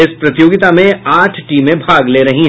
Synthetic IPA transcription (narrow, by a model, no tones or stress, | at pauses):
ɪspɾɐt̪ɪjoːɡɪt̪amẽaːʈʰʈiːmẽbʱaːɡleːɾɐɦĩɦ